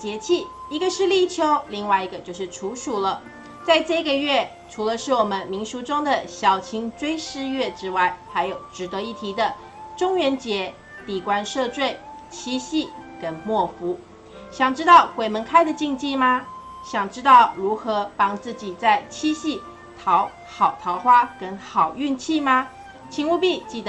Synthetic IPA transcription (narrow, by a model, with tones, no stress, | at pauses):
t͡ɕjɛ˧˥t͡ɕʰi˥˩i˧˥ɡə˧ʂɻ̩˥˧li˥˩t͡ɕʰjo˥ʊli˥˧ŋwa˥˩ɪi˧˥ɡə˧t͡ɕjo˥˧ʊʂɻ̩˥˩ʈ͡ʂʰu˧˥ʂu˨˩lə˦ | t͡sa˥˧ɪʈ͡ʂɤ˥˧i˧ɡə˨ɥɛ˥˩ | ʈ͡ʂʰu˧˥lə˧ʂɻ̩˥˩wɔ˨˩mə˦nmi˧˥ŋʂu˧˥ʈ͡ʂʊ˥ŋd̪ə˨ɕjɑ˨˩ʊt͡ɕʰi˧˥ŋʈ͡ʂwe˥ɪʂɻ̩˥˧ɥɛ˥˩ʈ͡ʂɻ̩˥wa˥˩ɪxa˧˥ɪjo˨˩ʊʈ͡ʂɻ̩˧˥t̪ɤ˧˥i˥˩t̪ʰi˧˥d̪ə˨ | ʈ͡ʂʊ˥ŋɥɛ˧˥nt͡ɕjɛ˧˥ | t̪i˨˩kwa˥nʂɤ˥˧t͡swe˥˩ɪ | t͡ɕʰi˥ɕi˥˩kə˥nmwɔ˥˩fu˧˥ | ɕjɑ˨˩ŋʈ͡ʂɻ̩˥t̪ɑ˥˩ʊkwe˨˩ɪmə˧˥nkʰa˥ɪd̪ə˨t͡ɕi˥˧ŋt͡ɕi˥˧ma˧ | ɕjɑ˨˩ŋʈ͡ʂɻ̩˥t̪ɑ˥˩ʊɻu˧˥xɤ˧˥pɑ˥ŋt͡sɹ̩˥˩t͡ɕi˨˩t͡sa˥˩ɪt͡ɕʰi˥ɕi˥˩ | t̪ʰɑ˧˥ʊ | xɑ˨˩ʊt̪ʰɑ˧˥ʊxwa˥kə˥nxɑ˨˩ʊy˥˧nt͡ɕʰi˥˩ma˧ | t͡ɕʰi˧˥ŋu˥˧pi˥˧t͡ɕi˥˩d̪